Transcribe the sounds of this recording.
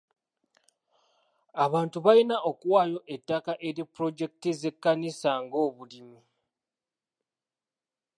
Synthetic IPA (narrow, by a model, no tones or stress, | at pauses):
aβaːntuβainaʔokuwaːjo̞ʔe̞tːakaʔe̞ɾipːɾo̞d͡ʒe̞k̚tize̞kːanisaŋɡo̞ːβulimi